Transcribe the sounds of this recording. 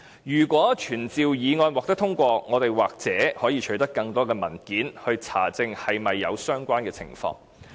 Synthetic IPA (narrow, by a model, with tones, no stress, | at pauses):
jyː˨˩kʷɔː˨˥t͡ʃʰyː˨˩nt͡siː˨wjiː˨˧ŋɔː˧nwɔː˨k̚t̪ɐ˥k̚t̪ʰʊ˥ŋkʷɔː˧ŋɔː˨˧t̪e˨jwaː˨k̚t͡sɛː˨˥hɔː˨˥jiː˨˧t͡ʃʰɵ˨˧˥t̪ɐ˥kːɐ˧ŋt̪ɔː˥kɛː˧mɐ˨˩nkiː˨˥nhɵ˧ɥt͡sʰa̰ː˨˩t͡sɪ˧ŋhɐ˨jmɐ˨jːɐ̰˨˧wsœː˥ŋkʷaː˥nkɛː˧t͡sʰɪ̰˨˩ŋfɔ̰ː˧ŋ